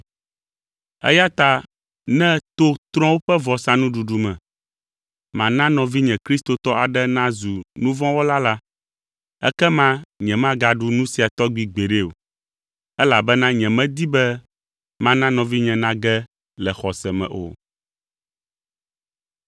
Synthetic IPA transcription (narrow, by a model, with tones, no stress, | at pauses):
ɛ̰˦ja˦t̪a˦ | nɛ̃˦t̪o˦t̪ɾɔ̃˦wo˦ɸɛ˦vɔ˨sã˦nũ˦ɖu˨ɖu˨mɛ̃˨ | mã˨nã˦nɔ̃˨vi˦ɲɛ̃˨kɾi˦st̪o˨t̪ɔ˦a˨ɖɛ˦nã˦zu˨nũ˦vɔ̃˦wɔ˦la˦la˦ | ɛ̰˦kɛ˦mã˦ɲɛ̃˨mã˦ɡa˨ɖu˦nũ˦si˨a˨t̪ɔ˦ɡ͡bi˨ɡ͡be˨ɖe˦o̰˨ | ɛ˦la˨bɛ˦nã˦ɲɛ̃˨mɛ̃˦d̪i˦bɛ˦ | mã˦nã˦nɔ̃˨vi˦ɲɛ̃˨nã˦ɡɛ˦ | lɛ˨xɔ˨sɛ˨mɛ̰̃˨ʔo̰˨